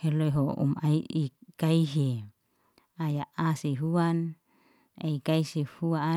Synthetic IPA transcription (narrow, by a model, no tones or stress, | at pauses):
heloeɦoṵma̰iikaiɦe | ajaʔaseɦuan | eikaisehua